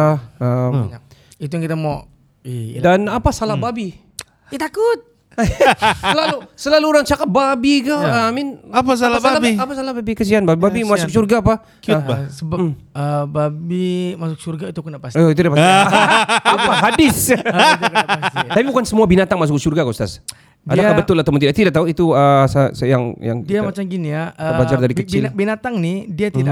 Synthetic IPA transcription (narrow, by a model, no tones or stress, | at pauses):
əm | it̪uaŋkit̪amɔ | danapasalahbabi | at̪akʊt̪̚ | səlalusəlaluːɾaŋt͡ʃakat̪̚babikoəamɪnapas̬alaaaaiapasalahbabikəsianbabibabimasʊk̚surɡaːpa | səbam | əbabimasʊk̚surɡait̪ukənapasit̪udiapa | apaɦadɪst̪aapibukansəmuabinat̪aŋmas̬ʊksurɡakost̪a̰s | dadakkabət̪ʊlat̪əmʊnidaʔt̪idak̚t̪auit̪uəsasajaŋja̰ŋdiamat͡ʃamɡiniaəbad͡ʒardaɾikkət͡ʃɪabinat̪aŋnɪdiat̪i